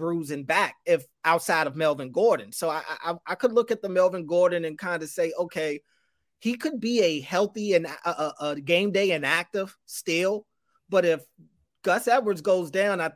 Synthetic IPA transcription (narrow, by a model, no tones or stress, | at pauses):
bɹuzɨ̃nbæk̚ɪf | aʊtsaɪɾʌvmɛlˠvɨ̃n̩ɡɔɹdⁿn̩soʊaɪʔa̰ɪʔa̰ɪaɪkʰədˡlʊkɨt̪̚ðəmɛlˠvə̃n̩ɡɔɹdⁿn̩ɨ̃nkʰãɪ̃ndɨseɪʔoʊkʰeɪ | ikʰɨd̚biɨhɛlˠθiɨ̃nʔʌʔʌɡẽɪ̃mdeɪɨ̃næk̚tɪv̥stɪlˠ | b̥ʌɾɪf | ɡ̥ʌsɛd̚wə˞dzɡoʊzdãʊ̃naɪ